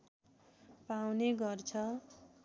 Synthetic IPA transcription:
pawneɡʌrt͡sʰʌ

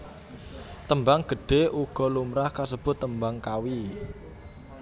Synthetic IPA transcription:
t̪əmbaŋɡ̥ə̤ɖ̥e̤ʔuɡ̥ɔ̤lumɾahkasəb̥ʊ̤t̪ːəmbaŋkawi

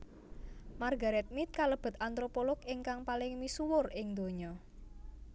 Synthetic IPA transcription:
marɡa̤ɾɛt̪̚mit̪̚kaləb̥ə̤t̪ant̪ɾopolɔkɪŋkaŋpalɪŋmisuwʊrɪŋd̪o̤ɲɔ

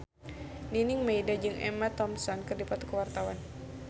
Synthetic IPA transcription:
niniŋmejdad͡ʒɨŋɛ̰mat̪ɔmsɔnkɨrdipat̪ukəwart̪awan

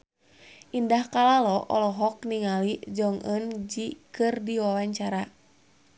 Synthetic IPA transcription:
ʔindahkalalɔʔɔ̰lɔɦɔk̚niŋalid͡ʒɔŋʔənd͡ʒikɨrdiwawaɲt͡ʃaɾa

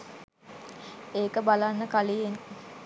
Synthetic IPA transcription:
eːkəbalanːəkalijen

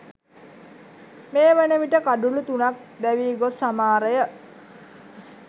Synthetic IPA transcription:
meːʋænəʋiʈəkaɖulut̪unak̚ | d̪æʋiːɡosamaːɾəjə

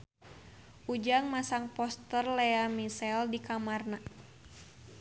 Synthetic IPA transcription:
ʔud͡ʒaŋmasaŋpɔst̪ərlɛamisɛldikamarna

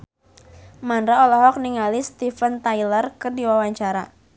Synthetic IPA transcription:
manɾaɔlɔɦɔk̚niŋalist̪ifənt̪ajlərkɨrdiwawaɲt͡ʃaɾa̰

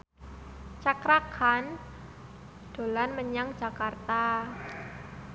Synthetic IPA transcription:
t͡ʃakɾakʰan | d̥o̤lanməɲaŋ̥d͡ʒa̤kart̪a

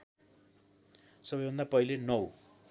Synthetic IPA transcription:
sʌbʌjbʱʌnd̪apʌilenʌw

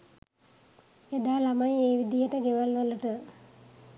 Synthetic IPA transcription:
ed̪aːlamajeːʋid̪ijəʈəɡeʋalʋəluʈə

